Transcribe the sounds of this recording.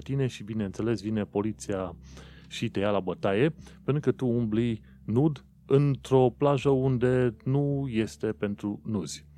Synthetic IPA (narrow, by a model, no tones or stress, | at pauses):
t̪ine̞ʃibineɨnt̪se̞le̞svine̞po̞lit̪sia | ʃit̪e̞jalabət̪aje̞pent̪ɾukət̪uumbli | nud̪ | ɨnt̪ɾo̞plaʒəund̪e̞nuje̞st̪e̞pe̞nt̪ɾunuz̥ʲ